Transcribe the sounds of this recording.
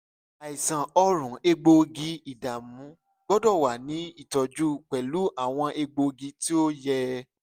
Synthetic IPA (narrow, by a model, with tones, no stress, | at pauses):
a˨i˨sã˨ɔ˧ɾũ˨˦e˧ɡ͡bo˧ɡi˧i˨da˨mũ˨˦ | ɡ͡bɔ˦dɔ˦˨wa˨nĩ˨˦i˦˨tɔ˨d͡ʒu˦k͡pɛ˨lu˨˦a˦˨w̃ɔ̃˧ʔe˧ɡ͡bo˧ɡi˧ti˦o˦jɛ˧